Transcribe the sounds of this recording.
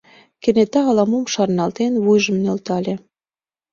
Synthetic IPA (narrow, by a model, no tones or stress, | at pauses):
kĕnet̪ɑːlɑmumʃɑrnɑlt̪enβujʒəmnølt̪ɑlʲe